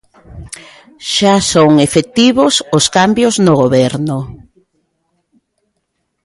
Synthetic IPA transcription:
ʃasoŋefet̪iβososkambjoznoɣoβɛɾnʊ

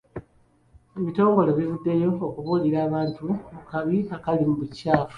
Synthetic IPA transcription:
eβito̞ːŋɡo̞le̞βivudːe̞jo̞ːkuβuːliɾaːβaːntuβukaβiakalimuβucaːfu̥

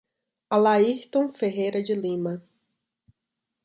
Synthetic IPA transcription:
alaiht̪õw̃feɦejɾɐd͡ʒɪlĩmɐ

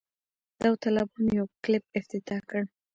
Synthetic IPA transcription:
d̪awt̪ɑlɑbɑnjawklɪp̚ɪft̪ɪt̪ɑkəɽ

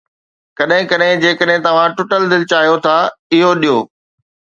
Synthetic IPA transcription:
kɐɗɦɪ̃kɐɗɦɪ̃d͡ʑeːkəɗɦɪ̃t̪ɐʋ̤ãʈʊʈəld̪ɪlɪt͡ɕaːɦijot̪ʰaɪɦoɗijoː

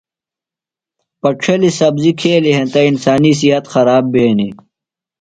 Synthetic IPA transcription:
pɐʈ͡ʂʰɐlisɐbzikʰeːliɦẽnt̪ɐinsaːnis̬iɦɐt̪xɐɾaːbːeːni

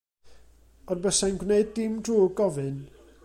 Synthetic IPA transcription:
ɔdbəsanɡwneɨd̚dɪmdʰruːɡɔvɨn

